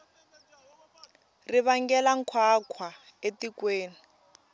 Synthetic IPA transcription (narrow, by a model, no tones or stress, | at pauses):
riβaŋɡɛlaŋ̩kʰwakʰwa | etikweːni